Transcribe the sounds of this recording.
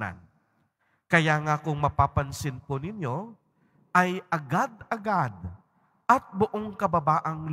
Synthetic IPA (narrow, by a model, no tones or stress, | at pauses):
a̰n | kɐjaːŋakʊŋmɐpaːpɐnsɪnponɪnjo̞ | ʔɐjʔɐɡad̪̚ɐɡad̪̚ | ʔɐt̪̚bʊʔoŋkɐbɐbaːʔɐŋl